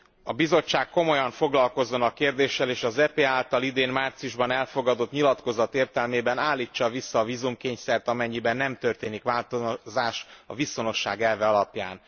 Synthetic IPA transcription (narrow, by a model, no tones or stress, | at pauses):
ɒbizo̞t͡ʃːaːkkːo̞mo̞jɒɱfo̞ɡlɒlko̞zːo̞nɒkeːrd̪eːʃːɛleːʃɒzɛpeːaːlt̪ɒlid̪eːnmaːrt̪sijuʒbɒnɛlfo̞ɡɒd̪o̞t̪ɲilɒt̪ko̞zɒt̪eːrt̪ɛlmeːbɛnaːlːiːt͡ʃːɒvisːɒːviːzumkeːɲsɛrt̪ɒmɛɲːibɛnːɛmt̪ø̞rt̪eːnikʋaːlt̪ozaːʃt̪ɒviso̞no̞ʃːa̰ːɡɛlvɛɒlɒpjaːn